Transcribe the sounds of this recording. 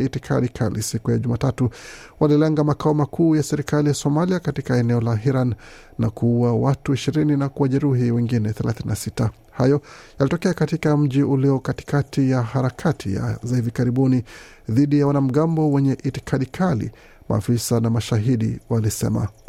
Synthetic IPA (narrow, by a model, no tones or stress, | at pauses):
itikʰa̰ɗikʰalḭsikujaʄumaːtatu | walilɛŋɡamakaɔmakʰuːjasɛɾikalijasɔmaliakatikaɛnɛɔlaɦiɾanː | akuuwawatuiʃiɾininakuwaʄɛɾuɦiwɛŋɡinɛθɛlʔa̰θininasita | hajɔjalitɔkɛakatikam̩ʄiʔuliɔkati̥katijahaɾakʰatʰḭja̰zahivikaɾiɓuni | ðiɗijawanam̩ɠambɔwɛɲɛʔiti̥kʰaɗikʰalḭ | mʔa̰ːfisanamaʃaɦiɗḭwalisɛ̰ma̰